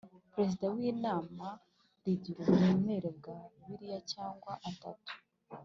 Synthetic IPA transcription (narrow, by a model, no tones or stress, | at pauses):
pɾe̞zidawiːnaːma | ɾiɟiɾomeːmweːɾebɡaβiɾijacaːŋɡwaʔatatu̥